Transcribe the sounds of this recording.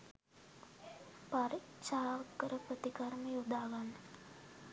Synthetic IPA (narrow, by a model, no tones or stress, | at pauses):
paɾi | saɦaʋəkːəɾəpɾət̪ikaɾməjod̪aːɡalː